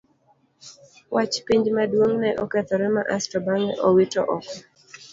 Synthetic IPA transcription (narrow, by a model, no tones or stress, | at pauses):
wʔat͡ʃpiɲd͡ʒmadwoŋnɛʔɔkɛt̪ɔɾɛmaʔastɔbaŋɛʔɔwitɔ̰ʔɔkɔ